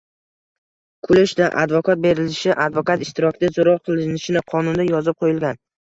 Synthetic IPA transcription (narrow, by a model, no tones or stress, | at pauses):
kʰʊlɪʃd̪aʔa̰d̪vɒkʰat̪̚be̞ɾɪlɪʃɪʔad̪vɒkat̪ɪʃt̪ɪɾɒkʲʰɪd̪azoɾɒqʰɨlˠɪnɪʃɪnɪqʰɒnʊnd̪ajɒzɪp̚qʰojɪlɡʲan